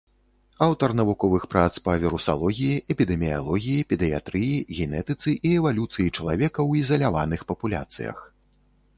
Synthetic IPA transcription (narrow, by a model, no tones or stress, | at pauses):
awt̪ɐrn̪ɐvukɔvɨxpɾat̪spɐvʲiɾusa̰lˠɔɣʲijiʔɛpʲid̪ɛmʲija̰lˠɔɣʲijipʲid̪ɨja̰t̪ɾɨjiɣʲɛnɛt̪ɨt̪sɨʔiɛvalʲut̪sɨjit͡ʂɐlˠavʲɛkɐwizɐlʲavanɨxpɐpulʲa̰t̪sɨjɐ̰x